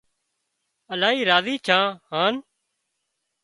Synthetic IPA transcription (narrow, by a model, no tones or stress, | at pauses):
əlãːiːɾaːziːt͡ʃʰãːɦãːn